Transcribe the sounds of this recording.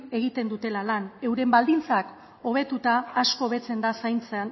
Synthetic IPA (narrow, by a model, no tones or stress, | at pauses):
e̞ɣ̞it̪e̞nd̪ut̪e̞lalane̞wɾe̞mbald̪int͡sak | o̞β̞e̞t̪ut̪aːsko̞ːβe̞t͡se̞nd̪asajnt͡sean